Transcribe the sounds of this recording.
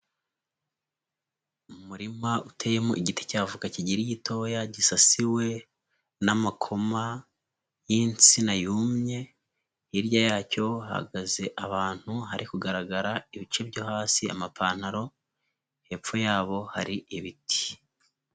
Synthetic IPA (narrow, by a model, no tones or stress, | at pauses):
uumuɾimautʰejemoʔiɟite̥caːvukaciɟiɾijitʰo̞ːjaɟisasiwe̞ | namakʰo̞ma | jint͡sinajuːmɲe̞ | iɾjajaːco̞ha̰ɡaze̞ʔaβaːn̥huɦaɾʔikuɡaɾaɡaɾaiβit͡ʃe̞bɟohaːsia̰mapaːn̥haɾo̞ | he̞p͡fo̞jaːβo̞haɾiiβiti̥